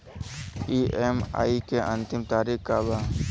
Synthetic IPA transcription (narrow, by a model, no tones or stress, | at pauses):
iːʔema̰ːikeʔə̃nt̪ɪmt̪aːɾikkaːbaː